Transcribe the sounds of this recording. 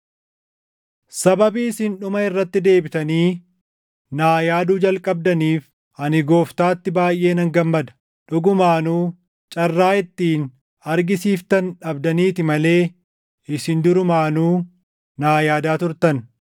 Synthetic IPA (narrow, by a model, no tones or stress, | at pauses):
sɐbɐbiːɪsɪnᶑʊmɐɪrːɐt̪ːɪd̪e̞ːbɪt̪ɐniː | naːjaːd̪uːd͡ʒɐlkʼɐb̚d̪ɐniːf | ɐnɪɡo̞ːft̪aːt̪ːɪbaːjʔe̞ːnɐŋɡɐmːɐd̪ɐ̥ | ᶑʊɡʊmaːnuː | t͡ʃʼɐrːaːɪt̪ːiːn | ɐɾɡɪsiːft̪ɐnᶑɐbd̪ɐniːt̪ɪmɐle̞ː | ɪsɪnd̪ʊɾʊmaːnuː | naːjaːd̪aːt̪ʊɾt̪ɐn